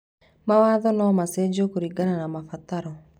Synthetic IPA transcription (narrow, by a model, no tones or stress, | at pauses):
mawaːðɔnaːmased͡ʒokoɾiɡananamafataɾɔ